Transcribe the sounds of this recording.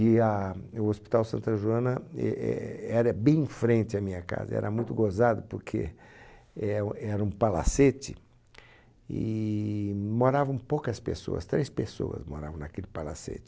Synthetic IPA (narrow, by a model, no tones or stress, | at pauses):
ɪɐʊospi̥t̪awsɐ̃nt̪ɐʒuɐ̃nɐɛ̰ɛɾɐbẽj̃fɾẽnt͡ʃ̪ɪɐmĩɲɐka̰zɐ̰ɛ̰ɾʔɐmũj̃t̪ʊɡozad̪ʊpoɾkʰḛ | ɛɛɾɐũpala̰set͡ʃɪ | ɪ | moɾavɐ̃w̃powkɐspḛso̰ɐ̰st̪ɾejspeso̰ɐ̰smoɾa̰vɐ̃w̃nakelɪpala̰sḛt͡ʃɪ